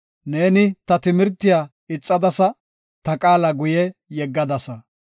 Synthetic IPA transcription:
ne̞ːnɪt̪ɐt̪ɪmɪɾt̪ːɪjaː | ɪt͡sʼːɐd̪ɐsɐ | t̪ɐkʼaːlɐɡʊjɛjɛɡːɐd̪ɐsɐ

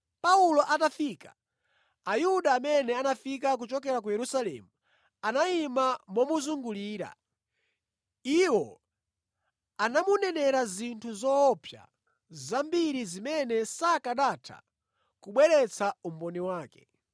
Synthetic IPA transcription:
paulɔʔatafiːkḁ | ajuɗaːmɛnɛanafik̬ak̬ut͡ʃɔkɛɾak̬ujɛɾusalɛ̰ːmu | anaimamɔmuzuŋɡuliːɾa̰ | iwɔ | anamunɛnɛɾazintʰuzɔːpʰja̰ | zambiɾizimɛnɛsakaɗatʰa̰ | kuɓwɛɾɛt͡sʰaum̩bɔniwaːkɛ̥

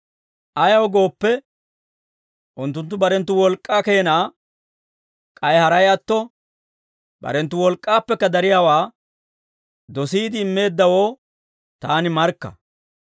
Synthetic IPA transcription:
ʔɐjɐwɔɡo̞ːpːɛ | ʔʊnt̪ːʊnt̪ːʊbɐɾɛnt̪ːʊwɔlkʼːaːke̞ːnaː | kʼɐjhɐɾɐjɐt̪ːɔ | bɐ̰ɾɛnt̪ːʊwɔlkʼːaːpːɛkːɐd̪ɐɾɪjaːwaː | d̪ɔsiːd̪ɪːmːe̞ːd̪ːɐwo̞ː | t̪aːnɪmɐɾkːɐ̰

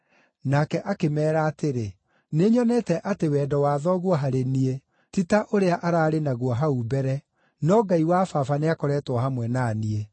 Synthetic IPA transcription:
nakɛʔakemɛːɾaːteɾe | neɲɔnɛtɛʔatewɛːdɔwaðɔɣwɔɦaɾenie | titaʔoɾeaʔaɾaːɾenaɣwɔɦaubɛɾɛ | nɔɡaiwafafaneakɔɾɛːtwɔhamwɛnaːnie

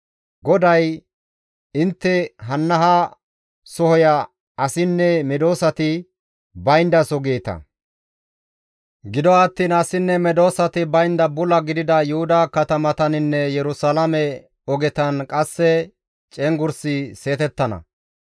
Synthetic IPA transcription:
ɡɔd̪ɐj | ɪnt̪ːɛɦɐnːɐɦɐ | sɔhɔjɐ | ɐsɪnːɛmɛd̪o̞ːsɐt̪ɪ | bɐjnd̪ɐsɔɡeːt̪ɐ̰ | ɡɪd̪ɔɐt̪ːiːnɐsɪnːɛmɛd̪o̞ːsɐt̪ɪbɐjnd̪ɐbʊlɐɡɪd̪ɪd̪ɐjʊhʊd̪ɐkɐt̪ɐmɐt̪ɐnɪnːɛjɛɾʊsɐlɐmɛ | ɔɡɛt̪ɐnkʼɐsːɛ | t͡ʃʼɛŋɡʊɾsɪse̞ːt̪ɛt̪ːɐnɐ̰

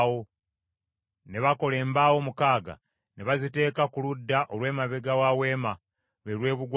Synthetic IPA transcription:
wo | ne̞βako̞le̞ːmbaːwo̞mukaːɡa̰ | ne̞βazite̞ːkakuludːaʔo̞lwe̞ːmaβeɡawawe̞ːma | βe̞ɾwe̞ːβuɡw

